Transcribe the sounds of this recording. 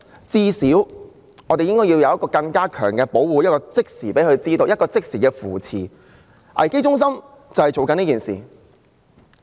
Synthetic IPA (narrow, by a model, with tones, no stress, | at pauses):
t͡siː˥siː˨˥w | ŋɔː˨˧t̪e˨jɪ˥ŋkɔː˥ji˧wjɐ˧wjɐ˥kɔː˧kɐ˧ŋkaː˥kʰœ̰ː˨˩ŋkɛː˧po˨˥wwuː˨˧jɐ˥t̚kɔː˧t͡sɪ˥k̚siː˨˩pe˨˥jhɵ˧ɥt͡siː˥t̪o˧wjɐt̚kɔː˧t͡sɪ˥k̚siː˨˩kɛː˧fuː˨˩t͡sʰḭː˨˩ | ʔɐ̰˨˩jke˥jt͡ʃʊ˥ŋs̬ɐ˥m | t͡sɐ˨˩whɐ˨jt͡so˨wkɐ˨niː˥kiː˨nsḭː˨